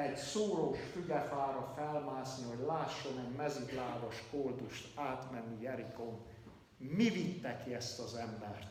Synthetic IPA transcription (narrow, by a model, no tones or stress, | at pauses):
ɛɟsoːɾoʃfyɡɛfaːɾɒfɛlmaːzniho̞ɟlaːʃːonɛmmɛzyɡlaːvɒʃkold̪uʃt̪aːt̪mɛnːijɛɾikon | mivit̪ːɛkiɛst̪ɒzɛmbɛrt̪